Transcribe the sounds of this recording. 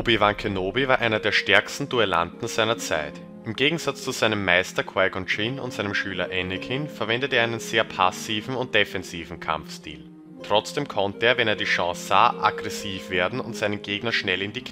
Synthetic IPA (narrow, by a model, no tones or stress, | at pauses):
bivãŋkʰənoːbivaːɐʔaɪnɐdeːɐʃtɛɐkstn̩d̥uɛla̰ntn̩z̥aɪnɐt͡sa̰ɪt | ɪmɡeːɡŋ̩z̥at͡st͡suz̥aɪnəmːaɪstɐkʰw̥aɪɡɔnt͡ʃinʊ̰ntz̥aɪnəmʃyːlɐʔɛnɪkʰɪnfɛɐvɛndətəeːɐaɪnənz̥eːɐpʰasiːvn̩ʊnt̚d̥efɛnziːvn̩kʰa̰mfstḭːl | tʁ̥ɔt͡sd̥eːmkʰɔntəeːɐvɛneːɐdiːʃɑ̃ːsz̥a̰ːʔaɡʁɛsiːfv̥eːɐdn̩ʊ̰ntz̥aɪnənɡeːɡnɐʃnɛlɪndik